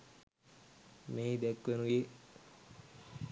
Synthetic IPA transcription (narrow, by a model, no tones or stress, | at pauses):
meːd̪ɛkʋenuje